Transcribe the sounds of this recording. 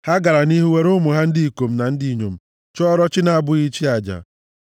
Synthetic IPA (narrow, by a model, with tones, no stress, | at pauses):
ha˦ɡa˨ɾa˨ni˦ɦu˦we˦ɾʊ˦mʊ˨ɦa˦n̩˦di˦i˨ko˨m̩˦na˨n̩˦di˦i˨ɲo̰˨m̩˨ | t͡ʃɔ˦ɾɔ˦t͡ʃɪ˦na˨a˨bʊ˦i˦t͡ʃi˦a˨d͡ʒa̰˨